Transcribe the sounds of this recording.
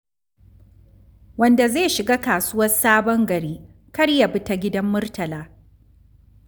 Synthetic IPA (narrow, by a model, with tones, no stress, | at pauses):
wɐ˦nda˨zeː˦˨ʃɪ˨ɡaː˦kaː˨sʊ˦wɐ˦saː˦bɔ˦ŋɡɐ˨ɾiː˦ | kɐ˦ɽja˨bɪ˦ta˨ɡʲɪ˦dɐ˦mːʊ˦rtɐ˨laː˦